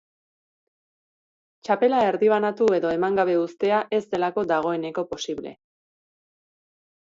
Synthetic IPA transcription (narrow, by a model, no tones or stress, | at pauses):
t͡ʃape̞lae̞ɾðiβanat̪ue̞ðo̞e̞maŋɡaβe̞ust̪e̞aʔe̞zd̪e̞lako̞d̪aɣ̞o̞e̞ne̞ko̞po̞siβle̞̰